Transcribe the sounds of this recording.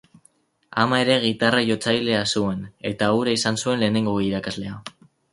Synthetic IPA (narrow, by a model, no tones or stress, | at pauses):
amae̞ɾe̞ɣ̞it̪arajo̞t͡sajle̞asue̞ne̞t̪auɾaisansue̞nle̞ːne̞ŋɡo̞iɾakazle̞a